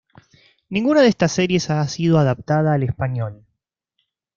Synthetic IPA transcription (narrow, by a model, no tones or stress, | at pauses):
nĩŋɡunaðest̪asːeɾje̞sasið̞o̞aðap̚t̪að̞aːle̞spaɲjo̞l